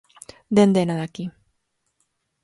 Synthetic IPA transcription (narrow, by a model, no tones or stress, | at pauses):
d̪end̪enaðaki